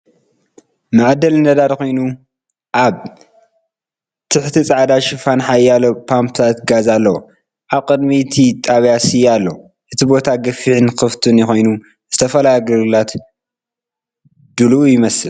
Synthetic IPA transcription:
maʕd̪ɐlnɐd̪aɾko̞jnu | ʔaβ | t̪ʰɨħt̪ʰit͡sʼaʕd̪aʃɪfanħajalopʰampʰt̪ʰat̪ɡazalːɐwo | ʔaβkʼɨd̪mit̪ʰit̪ʼaβjasijalːo | ʔɨt̪ʰibo̞t̪ʰaɡɐfiʕnkɨft̪ʰɨnjɪxo̞jnu | zɨt̪ʰɐfɐlajɡɨɾɨlat̪ | d̪̥ɨlːjɪmɐsɨl

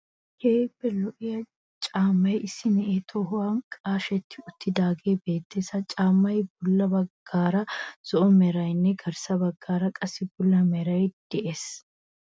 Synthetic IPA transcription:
heːbːɛlɔʔɪjɐ | t͡ʃʼaːmːɐjɪsːɪnɛʔeːt̪ʰɔɦʊwaːnkʼaːʃɛt̪ːɪʊt̪ʰːɪd̪aːɡeːbe̞ːt̪ːeːsɐt͡ʃʼaːmːɐjbʊlːɐbɐɡːaːɾɐz̥ɔʔɔmɛɾɐjnːɛɡɐɾsɐbɐɡːaːɾɐkʼɐsːɪbʊlːɐmɛɾɐjd̪̥ɛʔes

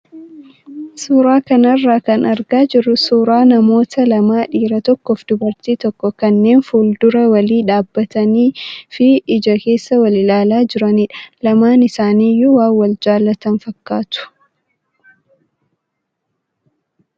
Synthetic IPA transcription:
suːɾaːkɐnɐrːaːkɐnɐɾɡaːd͡ʒɪɾːʊsuːɾaːnɐmo̞ːt̪ɐlɐmaːᶑiːɾɐt̪ɔkːɔfd̪̥ʊbɐɾt̪iːt̪ɔkːɔkɐnːe̞ːnfuːld̪ʊɾɐwɐliːᶑaːbːɐt̪ɐniːfɪɪd͡ʒɐke̞ːsːɐwɐlɪlaːlaːd͡ʒɪɾɐnɪᶑɐ̥lɐmaːnɪsaːniːjʊwaːnwɐld͡ʒaːlːɐt̪ɐnfɐkːaːt̪ʊ̥

